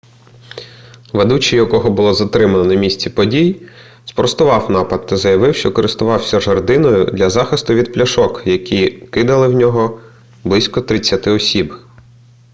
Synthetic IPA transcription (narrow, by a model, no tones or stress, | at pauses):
ʋed̪ut͡ʃɪjɐkɔɦɔbʊlˠɔzɐt̪ɾɪmɐnɔnɐmʲisʲt͡sʲipɔdʲij | spɔɾst̪ʊʋɑwnɑpɐd̪̚t̪ːɐzɐjɐʋɪwʃt͡ʃɔkɔɾɪst̪ʊʋɑwsʲɐʒɐrd̪ɪnɔjʊ̰d̪lʲɐzɑxɪst̪ʊʋʲid̪̚plʲɐʃɔkjɐkʲikɪd̪ɐlˠɪwnʲɔɦɔ | blˠɪsʲkɔt̪ɾɪt͡sʲːɐt̪ɪɔsʲib